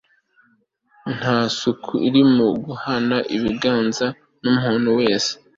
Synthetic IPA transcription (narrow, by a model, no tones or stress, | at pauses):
n̥haːsukʰuiɾimuɡuhanaʔiβiɡaːnza | numhuːnowe̞ːse̥